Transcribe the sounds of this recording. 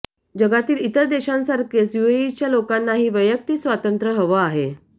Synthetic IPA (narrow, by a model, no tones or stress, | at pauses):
d͡ʑəɡat̪iːlit̪əɾd̪eɕãnsaɾkesjueit͡ɕjalokanːaɦiːʋəjək̚t̪iːsʋat̪ənt̪ɾəɦəʋəaɦe